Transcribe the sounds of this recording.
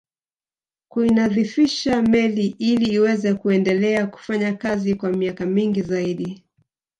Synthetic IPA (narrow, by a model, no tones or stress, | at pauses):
kuinaðifiʃamɛliʔiliːwɛzɛkuɛndɛlɛaku̥faɲakazikwamiakamiŋɡizaiɗi